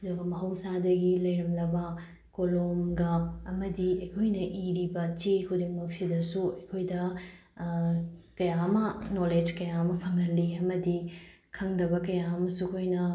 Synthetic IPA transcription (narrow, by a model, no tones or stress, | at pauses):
dɐɡɐmɐɦɐwsadɐɡilɐjɾɐmlɐbɐ | kolomɡɐːmɐdiɐjkʰojnɐʔiɾibɐt͡ʃekʰudiŋmɐk̚sidɐsuɐjkʰojdɐ | kɐjamɐnoled͡ʒkɐjamɐpʰɐŋɐlːiɐmɐdi | kʰɐŋdɐbɐkɐjaɐmɐsukʰojnɐ